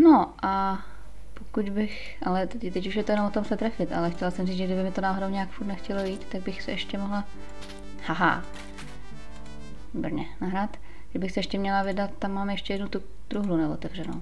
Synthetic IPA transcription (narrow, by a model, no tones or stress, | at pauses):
noʔa | pokuɟbɪx | ʔalɛt̪ɛcuʃjɛt̪ojɛnomvot̪omsɛt̪ɾɛfɪt̪ʔa̰lɛxcɛlasɛmriːt͡s̪ʒɛɡdɪbɪmɪt̪onaːɦodowɲɛaːkfuɾt̪nɛxcɛlojiːt̪ːaɡ̚bɪxsɛʔɛʃcɛmoɦla | haɦa̰ | bɾ̩ɲɛnaɦɾat̪ | ɡɾɪbɪxsɛʔɛʃcɛmɲɛlavɪdat̪ːamːaːmjɛʃcɛjɛdnut̪u | d̪̥ɾuɦlunɛvot̪ɛvr̝̥ɛno̰w